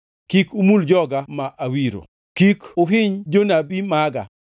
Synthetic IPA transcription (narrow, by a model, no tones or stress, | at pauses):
kikumuld͡ʒɔɡamaʔawiɾo̰ | kikʊɦɪɲd͡ʒonabimaɡa̰